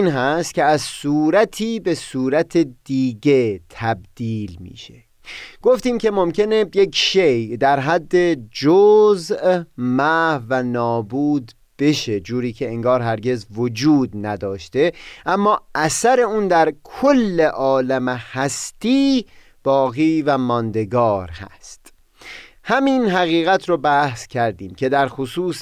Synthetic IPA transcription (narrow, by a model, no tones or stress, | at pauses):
iːnɦæst̪̚cʲʰeæzsuːɾæt̪ʰiːbe̞suːɾæt̪ʰed̪iːɟe̞t̪ʰæb̚d̪̥iːlmḭːʃe̞ | ɡ̥o̞ft̪iːmcʲe̞mo̞mcʰe̞neje̞kʃejd̪æɾɦæd̪ːe̞d͡ʒoːzmæːhvænɒːbuːd̪ | b̥e̞ʃe̞d͡ʒuːɾiːkʰe̞eŋɡɒːɾɦæɾɡe̞zvod͡ʒuːd̪næd̪ɒːʃt̪e̞ʔæmːɒːʔæsæɾe̞uːnd̪æɾkʰolːeʔɒːlæmehæst̪iː | b̥ɒːɣiːvæmɒnd̪e̞ɡɒːɾhæ̰st̪ | hæmiːnɦæɣiːɣæt̪ʰɾobæhscʲʰæɾd̪iːmcʰe̞d̪æɾxosuːs